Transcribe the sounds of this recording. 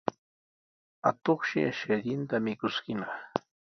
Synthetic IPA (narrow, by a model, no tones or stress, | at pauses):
a̰t̪oχʃɪ̰aʃaʎɪnt̪amɪkʊskɪnɑχ